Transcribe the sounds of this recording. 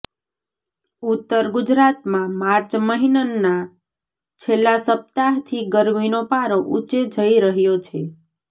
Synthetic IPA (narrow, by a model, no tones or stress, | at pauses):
ut̪ːəɾɡud͡ʒɾat̪mãmaɾt͡ʃməɦinənːa | t͡ʃʰelːãsəp̚t̪aɦt̪ʰiɡəɾminopaɾõʔut͡ʃed͡ʒʱəiɾəɦjot͡ʃʰe